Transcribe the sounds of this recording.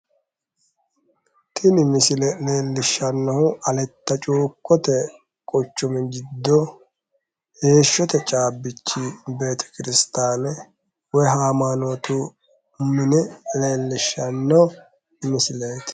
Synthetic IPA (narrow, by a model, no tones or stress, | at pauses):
t̪ʰɪnɪmɪsɪlɛleːlːɪʃːɐnːɐhʊɐlɛt̪ːɐt͡ʃʼuːkːɔt̪ɛ | kʼɔt͡ʃːɔmɛd͡ʒɪd̪ːɔ | he̞ːʃːɔt̪ɛt͡ʃʼaːbːɪt͡ʃːibe̞ːt̪ʰɛ̥kɪɾɪst̪aːnɛ | wɔjɦaːmaːnot̪u | mɪnɛle̞ːlːɪʃːɐnːɐw | mɪsɪleːt̪